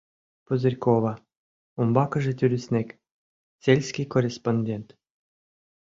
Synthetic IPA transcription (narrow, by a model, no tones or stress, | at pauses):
pozɘrʲkovɑ | umbɑkɤ̆ʒĕt̪ʲyɾʲɘsʲnʲekʲ | sʲelʲsʲkʲijkorʲesponʲdʲent̪